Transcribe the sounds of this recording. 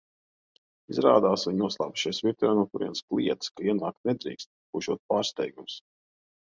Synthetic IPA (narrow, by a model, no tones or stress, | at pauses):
izɾa̰ːd̪aːsviɲuɔslˠa̰ːbu̥ʃijsvʲiɾt̪ɾaːnuɔkuɾiɛnsklˠḭɛt̪skaiɛna̰ːk̚t̪nɛd̪ɾḭːkst̪̚kuʒuɔt̪̚paːɾst̪ɛjɡums